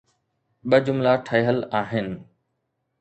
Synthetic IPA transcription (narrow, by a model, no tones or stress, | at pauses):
ɓɐd͡ʑʊmlaːʈʰəjɦəlaːɦɪnɪ̆